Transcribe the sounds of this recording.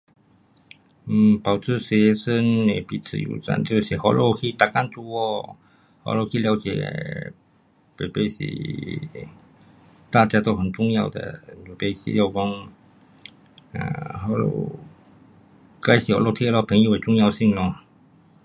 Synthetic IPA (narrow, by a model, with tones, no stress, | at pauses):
m̩˨˩pa˨˩ʊt͡s̩ʰ˥˩ɕɥɛ˧˥ʂə˥nɛ˨˩pi˧˥t͡sʰɹ̩̰˧˩jṵ˧˩t͡sa̰˥˧nt͡ɕjo˥˧ʊɕi˨˩hɔ˧˥lʔo˧˩ʊkʰi˧˥˧t̪a˨˩ka˥˧nt͡su˥˧˩ɔ˥˧˩ | hɔ̰˧˥˦lo˧ʊkʰi˧˥˧lja˧˥ʊt͡ɕjɛ̰˨˩˦ | pe˨˩ɪpe˥˩ɪɕḭ˨˩ | t̪a˥˧t͡ɕja˥t̪o˥ʊxə˨˩nt͡sʊ˥˧ŋja˥˧ʊd̪ə̰˩˨e˨˩pe˥˩sḭ˧˥ja˥˧˩ʊkɔ˧˥ŋ | a̰˧˨˩hɔ˧˥˦lo̰˧˩ | ka˥ɪɕi˨˩hɔ̰˧˥lɔ˥˧˩t̪ʰjɛ˥˧lɔ˧˩pʰə˧˥˦ŋjwe˨˩t͡sʊ˥˧ŋja˥˧ʊɕi˥˧ŋlɔ˧˩